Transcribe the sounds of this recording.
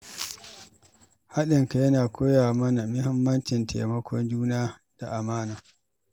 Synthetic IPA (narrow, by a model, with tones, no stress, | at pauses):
ha˦ɗɪ˨ŋka˨jɐ˦naː˨kʰʷoː˦jaː˨mɐ˦na˨mɪ˦hɪ˦mːɐ˦nt͡ʃɪ˨ntʰa̰˨mɐ˦kʷʰɔ˦nd͡ʒuː˦naː˦ | d̥a˨ʔa˨maː˦naː˨